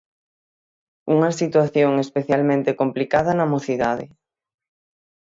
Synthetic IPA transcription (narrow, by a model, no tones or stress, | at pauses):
uŋɐsit̪waθjoŋespeθjalmẽnt̪ekomplikaðɐnɐmoθiðaðɪ̰